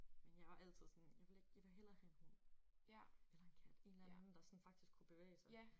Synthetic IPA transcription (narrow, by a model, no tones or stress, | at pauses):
menjɑ̈ɪʋɑ̈ʔæl̰t͡sʰið̞̰ˠsɒ̽njɑ̈ɪʋe̝le̝ɡ̥jɑʋe̝lɦel̰ɐhæenhon̰ | elɐe̝nkʰæd̥e̝ːnlænn̩d̥ɑ̈sɒ̽nfɑ̈ɡ̥d̥isɡ̥kʰub̥e̝ʋḛːsɑ